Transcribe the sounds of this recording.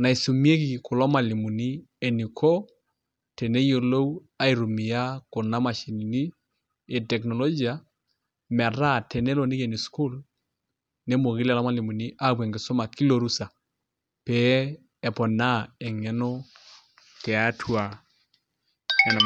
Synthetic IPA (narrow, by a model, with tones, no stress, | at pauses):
na˨i˨su˨mi˦e˦ki˦˨kʊ˨lɔ˦ma˨li˨mu˨ni˦ | e˨ni˨kʰo˦ | tɛ˨ne˦jo˦lo˦u˦ | a˦i˨ɾu˨mi˨ja˦kɔ˨na˦ma˨ʃi˨ni˨ni˦ | e˨tɛ˨knɔ˨lo˦d͡ʒi˨a˨ | mɛ˨ɾa˦˨tɛ˨nɛ˦lo˨ni˦ke˨ni˨sku˦l | ne˦mo˨ɣi˦la˨lɔ˦ma˦˨li˨mu˨ni˦ʔa˦˨bwe˨ŋɡɪ˨so˦ma˨ki˦lo˨ɾu˦sa˨ | pɛ˨˦ | ɛ˨pɔ˨na˦ɛ˨ŋɛ˨no˦ | kɛ˨a˦tʰwa˨ | ɛ˨n˨